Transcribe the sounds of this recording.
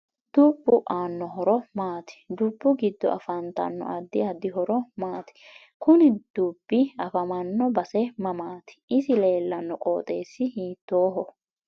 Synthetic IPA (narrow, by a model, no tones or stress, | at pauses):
d̪̥uːbːʊʔaːnːɔɦɔɾɔmaːt̪ɪ̥d̪uːbːʊɡɪd̪ːɔ̰ʔɐ̰fɐnt̪ɐ̰nːɔ̰ʔɐd̪ːɪɐd̪ːɪɦɔɾɔmaːt̪ɪ̥ | kʊnɪd̪̥uːb̥ːɪɐfɐmɐnːɔbɐsɛmɐmaːt̪ɪ̥ʔɪsɪle̞ːlːɐnːɔkʼo̰ːt̪ʼe̞ːsːɪhiːt̪ːoːɦɔ